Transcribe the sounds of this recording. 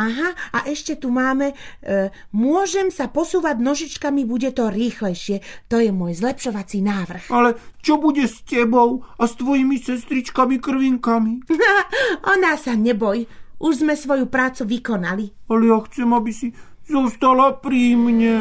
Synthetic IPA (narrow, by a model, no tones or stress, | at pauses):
aɦaaʔɛʃcɛt̪umaːmɛ | mʊɔʒɛmsapɔsuːʋaɟnɔʒit͡ʃkamibuɟɛt̪ɔɾiːxlɛjʃɪɛt̪ɔjɛmʊɔjzlɛpʃɔʋat͡sinaːʋr̩xalɛt͡ʃɔbuɟɛscɛbɔʊast̪ʋɔjimisɛst̪ɾit͡ʃkamikr̩ʋiŋkami | ʔɔnasaɲɛbɔjʔuʒzmɛsʋɔjupɾaːt͡suʋikɔnalialɛjaxt͡sɛmabisi | zɔst̪alapɾiːmɲɛ